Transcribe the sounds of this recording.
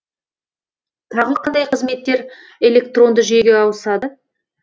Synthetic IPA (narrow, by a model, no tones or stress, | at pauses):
t̪ʰɑʁəlˠəqʰɑnd̪ɑjqʰəzme̞t̪ːe̞ɾ | e̞lʲe̞kt̪ro̞nd̪əʒʏjeɡʲe̞ɑwəsɑd̪ə